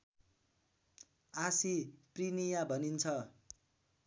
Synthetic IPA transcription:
asiprinijabʱʌnint͡sʰʌ

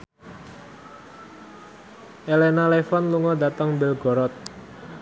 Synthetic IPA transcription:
ʔelenalefɔnluŋɔdat̪əŋbɪlɡɔɾɔt̪̚

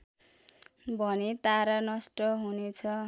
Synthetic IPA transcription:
bʱʌnet̪aɾanʌsʈʌɦunet͡sʰʌ

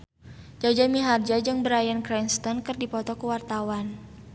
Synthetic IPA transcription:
d͡ʒad͡ʒamiɦard͡ʒad͡ʒɨŋbəɾajankɾɛnst̪ɔnkərdipɔt̪ɔkəwart̪awan

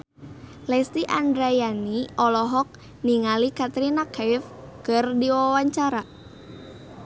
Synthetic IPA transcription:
lɛst̪iʔandɾajaniɔlɔɦɔk̚ | niŋalikat̪ɾinakaɪfkərdiwawaɲt͡ʃaɾa

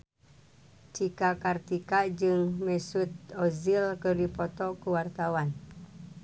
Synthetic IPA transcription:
t͡ʃikakart̪ikad͡ʒɨŋmɛsut̪̚ɔzilkɨrdipɔt̪ɔkuwart̪awan

